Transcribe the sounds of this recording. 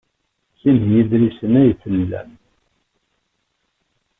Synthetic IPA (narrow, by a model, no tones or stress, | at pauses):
sinjiðɾisənæjθəlːæ̰